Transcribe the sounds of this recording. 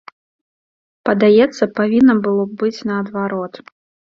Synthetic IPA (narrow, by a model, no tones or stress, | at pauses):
pɐd̪ajɛt̪sːɐpavʲinːɐbɨlˠɔbɨt͡sʲnɐːd̪vaɾɔt̪